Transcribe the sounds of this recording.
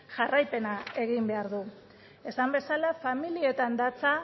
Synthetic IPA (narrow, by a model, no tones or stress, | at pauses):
ʝarajpe̞nae̞ɣimbe̞aɾðu | e̞sambe̞salafamilie̞t̪and̪at͡sa